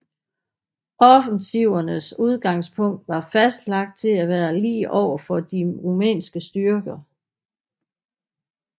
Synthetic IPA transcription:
ɒ̽fənsiʊɐnəsuð̞ˠɡ̥ɑ̈ŋ̰spʰɔ̽ŋ̰d̥ʋɑ̈fæsd̥lɑ̈ɡ̥̚d̥̚t͡sʰe̝læʋæːɐlḭːʔɒʊ̰ɐfɒd̥iʁumḛːnsɡ̥əsd̥yɐɡ̥ɐ

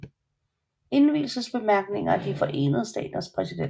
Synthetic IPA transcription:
e̝nʋḭːlsəsb̥e̝mæɐɡ̥ne̝ŋɐd̥ifɒ̽ʔe̝̰ːnəð̞̩ˠsd̥ɛ̰ːd̥ɐspʰʁɛside

